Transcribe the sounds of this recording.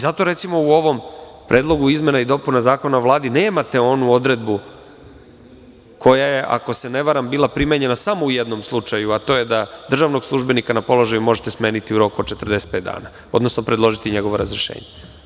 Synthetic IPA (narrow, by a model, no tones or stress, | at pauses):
zat̪o̞ɾe̞t̪simo̞uo̞ʋo̞mpɾʔe̞ːd̪lˠo̞ɡuizme̞naid̪o̞punazaːko̞naʋlˠaːd̪ine̞ːmat̪e̞o̞nuo̞d̪ɾe̞d̪̚bu | kʰo̞jaje̞ʔa̰ko̞se̞ne̞ʋaɾambiːlˠapɾimeɲe̞nasamo̞ujed̪no̞mslˠut͡ʃajuat̪o̞ːjed̪ad̪r̩ʒaʋno̞ɡslˠuʒbe̞nikanapo̞lˠo̞ʒajumo̞ʒet̪esme̞ːnit̪iuɾo̞kuod̪t͡ʃe̞t̪r̩d̪e̞se̥t̪̚pet̪d̪a̰ːna | o̞d̪no̞snopɾed̪lˠo̞ʒit̪iɲe̞ɡo̞ʋoɾazɾiʃḛːɲe